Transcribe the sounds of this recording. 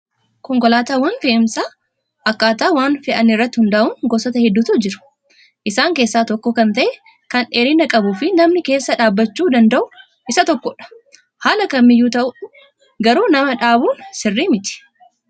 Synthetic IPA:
kɔŋkɔlaːt̪aːwɐnfɛʔmsaː | ʔɐkːaːt̪aːwaːnfɛʔɐnːɪrːɐt̪ːɪhʊnd̪ɐʔʊŋɡɔsɔt̪ɐhɛd̪ːut̪ud͡ʒɪɾʊ̥ | ʔɪsaːŋke̞ːsːaːt̪ɔkːɔkɐnt̪ɐʔɛ | kɐnᶑeːɾɪnɐkʼɐbʊfɪnɐmnɪke̞ːsːɐᶑaːbːɐt͡ʃːuːd̪ɐnd̪ɐʔʊ | ʔɪsɐt̪ɔkːɔᶑɐ̥ | haːlɐkɐnmɪjːuːt̪ɐʔʊ | ɡɐɾuːnɐmɐᶑaːbuːnsɪrːiːmɪt̪ɪ̥

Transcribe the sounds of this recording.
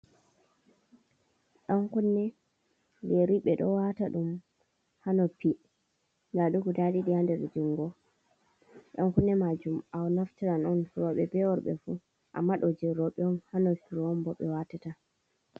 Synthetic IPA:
ɗɔŋkunːɛ | wɛɾiɓɛɗɔwataɗum | hanɔpi | ndaɗukudadiɗiandɛɾdiŋɡɔ | ɗɔŋkunːɛmad͡ʒumawnaftiɾanɔnfuɾɔɓɛbɛwɔɾɓɛ̰fu | ʔa̰mːaɗɔd͡ʒɛɾɔɓɛɔnhanɔsiɾɔmbɔɓɛwatata

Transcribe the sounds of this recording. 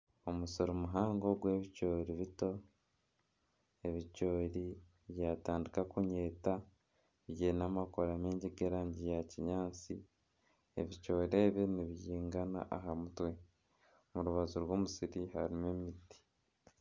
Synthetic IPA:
o̞musoɾumuɦaːŋɡo̞ɡwe̞ːβico̞ːɾiβito̞ | e̞βico̞ːɾi | βjaːtaːndikakuɲeːta | βjeːnamakoɾameːɲɟiɡeɾaːɲɟijaciɲaːt͡si | ḛβicoːɾeːβiniβjiːŋɡana̰ʔaɦamutwe̞ | muɾuβazuɾwoːmusiɾihaɾime̞miti̥

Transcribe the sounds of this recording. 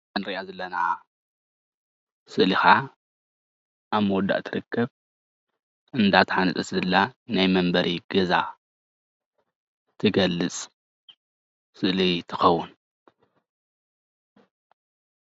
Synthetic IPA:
anɾiʔazɐlːɐnaa | sɨʔlixa | ʔaβmɐwɔd̪ːa̰ʔt̪ʰɨɾɨkːɐβ | ʔɨnd̪at̪ʰħanɨt̪ʼɐszɨlːanajmɐmbɐɾʔiɡɐza̰ | t̪ʰɨɡɐlːɨt͡sʼ | sɨʔlit̪ʰɨ̥xɐwːʊn

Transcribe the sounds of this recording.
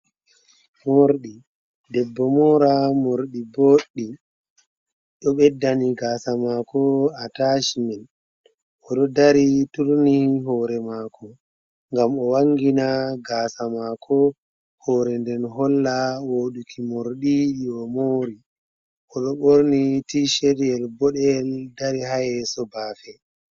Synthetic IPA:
moɾɗi | dɛbːɔmɔɾamoɾɗiboːɗːi | ɗɔɓɛdːaniɡaːsamakɔataʃimɛl | ɔɗɔdaɾituɾniɦɔːɾɛmaːkɔ | ŋɡamɔwaŋɡinaɡaːsamakʰɔ | hɔːɾɛndɛnɦɔlːawoɗukʰimoɾɗiɗiɔmoɾi | ʔɔɗɔɓoɾnitiʃeɾiɛlbɔɗɛldaɾihajɛsɔbaːfɛ

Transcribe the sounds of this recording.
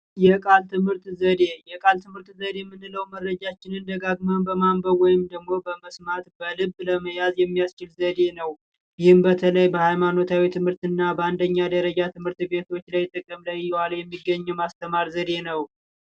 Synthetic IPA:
jɛkʼalt̪ʰɨmhɨɾt̪zəd̪e̞jɛkʼalt̪ʰɨmhɨɾt̪zəd̪e̞mːɨnːɨləwməɾːəd͡ʒat͡ʃːɪnɨnd̪əɡaɡmawnbəmambəwɔjɪmd̪əɡmo̞bəməsmat̪bəlɨbləməjazjɛmːijast͡ʃɪlzəd̪e̞nəw | jɪhɨmbət̪ʰələjbəhajmano̞t̪ʰawit̪ʰɨmhɨɾt̪ɨnːabəand̪əɲːad̪əɾəd͡ʒat̪ʰɨmhɨɾt̪be̞t̪ʰo̞t͡ʃːlajt̪ʼːɨkʼːəmləjjːɛwaljɛmːiɡːəɲːɛmast̪ʰəmaɾzəd̪e̞nəw

